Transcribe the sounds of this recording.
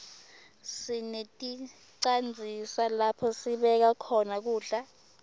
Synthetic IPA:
sinetʼi | ǀand͡zʱisalapʰɔsiɓɛk̬akʰɔnak̬uːɮa

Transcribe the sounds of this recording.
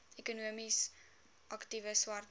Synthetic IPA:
ekunuəmis | ʔɐktivəswɐrt

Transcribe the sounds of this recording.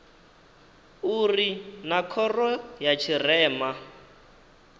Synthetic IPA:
urinakʰɔrɔjat͡ʃʰirɛːma

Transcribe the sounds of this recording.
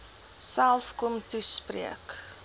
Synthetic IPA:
sælˠfkɔmtusprḭək

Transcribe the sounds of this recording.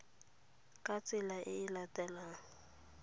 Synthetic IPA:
kʼat͡sʼɪlaʔɪɪlatʼɛlaːŋ̩

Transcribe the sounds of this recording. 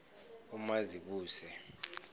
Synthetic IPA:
umaziɓuːsɛ

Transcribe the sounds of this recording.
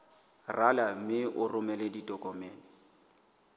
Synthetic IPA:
ralam̩mɪʔʊrʔʊmɛleditʼɔkʼɔmɛːnɪ

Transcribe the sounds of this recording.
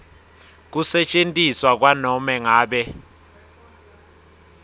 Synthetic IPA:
k̬usɛt͡ʃʼentʼiswak̬wanɔmɛŋaːɓɛ

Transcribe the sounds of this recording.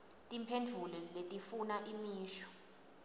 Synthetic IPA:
tʼimpʰend͡ɮʱulɔletʼifunaʔimiːʃɔ̥

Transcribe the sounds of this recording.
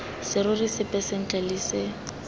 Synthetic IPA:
sɪɾʊrɪsɪpʼɛsɛŋ̩t͡ɬʼalisɪ

